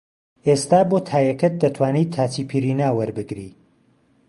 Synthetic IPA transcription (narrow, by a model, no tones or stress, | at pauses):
est̪aːbot̪ʰaːjɛkɐt̪̚d̪ɐt̪ʰwaːniːt̪ʰaːt͡ʃipʰiɾiːnaːwɐɾbɨɡɾḭː